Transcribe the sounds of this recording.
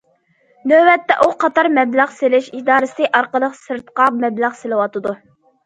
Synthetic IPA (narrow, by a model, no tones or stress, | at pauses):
nøwɛt̪ːɛʔuqʰɑt̪ʰɑɾmɛblæʁselɪʃid̪ɑːɾɨsɪd̪ɨʔɑɾqəlˠəqsɨɾt̪qɑmɛblæʁsɪlɨwɑt̪ɨd̪u